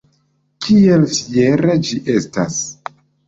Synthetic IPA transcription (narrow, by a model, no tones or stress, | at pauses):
kʰielfieɾed͡ʒiʔe̞stas